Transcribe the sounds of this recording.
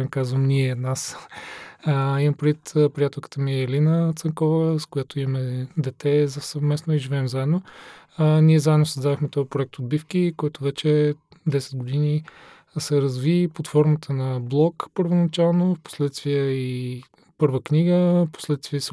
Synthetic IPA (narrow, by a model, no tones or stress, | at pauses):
ɛnkazvəmniɛnas | imɐmpɾɛd̪vit̪əpɾijat̪ɛlˠkə̥t̪əmiɛɛlinət̪səŋkɔvəskʊjat̪oimɐmɛd̪ɛt̪ɛzɐsɐvmɛsnoiʒivɛːmzaɛd̪no | niɛzaɛd̪nosɐzd̪ad̪oxmɛt̪ɔpɾoɛk̚t̪od̪̚bifkikɔjt̪ʊvɛt͡ʃɛd̪ɛsɛ̥d̪̚ɡod̪ini | sɛɾɐzvipot̪fɔɾmət̪ʰənɐblˠɔkpəɾvonɐt͡ʃalˠnofpo̥slɛt̪st̪vʲiəi | pɤɾvəkniɡəfpo̥slɛt̪st̪vʲiəs